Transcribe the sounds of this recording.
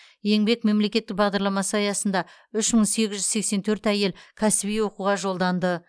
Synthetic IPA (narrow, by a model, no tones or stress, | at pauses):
je̞ŋbe̞k̚me̞mle̞kʲe̞t̪ːɪk̚bɑʁd̪ɑɾlˠɑmɑsəɑjɑsən̪d̪ɑ | ʏʃməɴse̞ɡʲɪzʒʏzse̞kse̞nt̪ʰɵɾt̪æje̞lkʲʰæsɪbijwo̞quʁɑʒo̞lˠd̪ɑnd̪ə